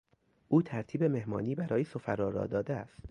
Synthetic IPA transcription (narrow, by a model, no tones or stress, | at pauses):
ʔuːt̪ʰæɾt̪ʰiːbe̞me̞hmɒ̰ːniːbæɾɒːjesofæɾɒːɾɒ̰ːd̪ɒːd̪eæ̰st̪